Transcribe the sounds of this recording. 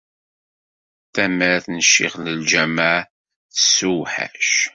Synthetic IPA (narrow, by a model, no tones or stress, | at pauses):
θæmæɾθnəʃːɪ̰ʁləld͡ʒæmaʕ | θə̥sːuwħæ̰ʃ